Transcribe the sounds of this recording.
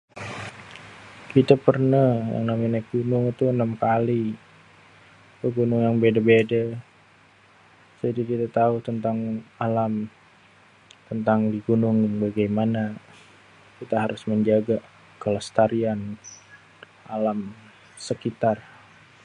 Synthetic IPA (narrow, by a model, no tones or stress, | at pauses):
kit̪apərnahja̰ŋnaminak̚ɡunʊŋit̪uənamkali | kəɡunuŋaŋbedabeda | d͡ʒadikit̪at̪aut̪ənt̪aŋalam | t̪ənt̪aŋdiɡunʊŋŋbaɡajmana | kit̪aɦaɾʊsməɲd͡ʒaɡa | kəlast̪aɾian | ʔalam | səkit̪ar